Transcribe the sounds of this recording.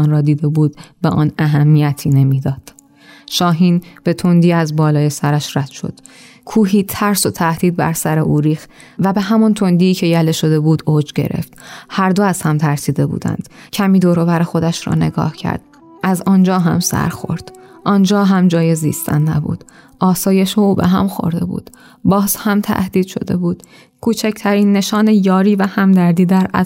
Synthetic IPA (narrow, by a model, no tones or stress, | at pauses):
nɾɒːd̪iːd̪e̞buːd̪beʔɒːnæɦæmːijæt̪ʰiːne̞miːd̪ɒːd̪̥ | ʃɒːɦiːnb̥e̞t̪ʰond̪iːæzbɒːlɒːje̞sæɾæʃɾæd̪̥ʃo̞̰d̪̥ | kʰuːɦiːt̪ʰæɾso̞t̪ʰæhd̪iːd̪̚bæ̰ɾsæɾe̞ʔuːɾiːxt̪ | væbeɦæmɔnt̪ʰo̞nd̪iːcʰe̞jæleʃo̞d̪e̞buːd̪oːd͡ʒɟe̞̰ɾʔe̞̰ft̪hæɾd̪oæz̥hæmt̪ʰæɾsiːd̪e̞bṵːd̪æ̰nd̪̥cʰæmiːd̪oːɾovæɾexo̞d̪æʃɾɒ̰ːne̞̰ɡɒ̰ːhcʰæ̰ɾd̪̥̚ | ʔæzɒnd͡ʒɒːɦæ̰msæ̰ɾxo̞̰ɾd̪̥ | ʔɒnd͡ʒɒːɦæmd͡ʒɒːjezḭːst̪ʰæ̰nːæbṵːd̪̥ʔɒːsɒːje̞ʃeuːbḛɦæ̰mxo̞̰ɾd̪e̞̰bṵːd̪̥ | bɒːzhæmt̪ʰæ̰hd̪iːd̪ʃo̞̰d̪e̞̰buːd̪̥ | kʰuːt͡ʃʰæcʰt̪ʰæɾiːnːe̞ʃɒːnejɒːɾiːvæhæmd̪æɾd̪iːd̪æɾæ